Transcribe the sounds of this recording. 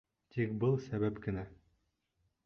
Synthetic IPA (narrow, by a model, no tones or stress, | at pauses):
t̪ik̚bɤlˠsæβæpkɘ̆næ